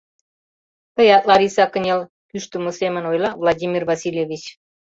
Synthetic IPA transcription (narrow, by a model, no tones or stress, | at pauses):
t̪ə̆jɑt̪lɑɾisɑkə̆nʲel | pyʃt̪umusemə̆nojlˠɑvlˠɑd̪ʲimʲirvɑsʲilʲjevʲit͡ɕ